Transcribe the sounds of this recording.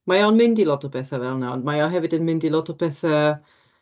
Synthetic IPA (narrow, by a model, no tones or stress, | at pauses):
majanmɪndilɔtɔpɛθavɛlˠnawnmajɔɦɛvɨdənmɪndilˠɔtʰɔpɛθa